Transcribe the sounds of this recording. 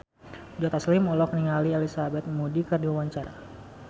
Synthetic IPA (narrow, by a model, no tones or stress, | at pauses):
d͡ʒɔt̪aslimɔlɔkniŋaliɛlisabɛt̪̚mudikərdiwawaɲt͡ʃaɾa̰